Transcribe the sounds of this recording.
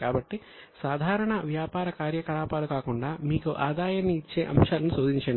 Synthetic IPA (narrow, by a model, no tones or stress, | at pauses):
kaːbɐʈːi | saːd̪ʱaːɾɐɳɐʋjaːpaːɾɐkaːɾjɐkɐlaːpaːlukaːkuɳɖaːmiːkuʔaːd̪aːjɐnːiːt͡ʃːe̞̰ːʔɐmʃaːlɐnusoːd̪ʱiɲt͡ʃɐɳ